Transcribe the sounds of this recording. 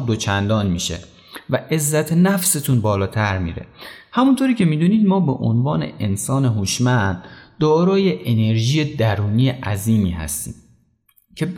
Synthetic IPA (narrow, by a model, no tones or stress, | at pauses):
d̪ot͡ʃʰænd̪ɒːnmiːʃḛ | væʔe̞zːæt̪ʰenæfse̞t̪ʰunbɒːlɒːt̪ʰæɾmḭːɾḛhæmunt̪ʰoːɾiːcʰe̞miːd̪uːniːd̪mɒːbeʔo̰nvɒːne̞̰ʔensɒːneɦuʃmænd̪̥ːɒːɾɒːje̞ʔene̞ɾʒiːjed̪æɾuːnijeʔæziːmiːhæ̰st̪ḭːm | cʰe